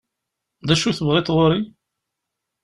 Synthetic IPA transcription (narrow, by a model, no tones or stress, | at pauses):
ðæʃuθəvʁet̪ʁoɾi